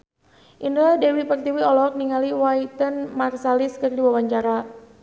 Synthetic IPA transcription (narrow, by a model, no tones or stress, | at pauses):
ʔindɾadɛwipərt̪iwiɔlɔk̚niŋaliwait̪ənmarsaliskɨrdiwawaɲt͡ʃaɾa